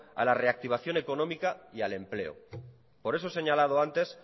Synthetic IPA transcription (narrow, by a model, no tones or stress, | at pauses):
a̰lare̞ak̚t̪iβ̞aθjo̞ne̞ko̞nõmikaiale̞mple̞̰o̰ | po̞ɾe̞sose̞ɲalaðoant̪e̞s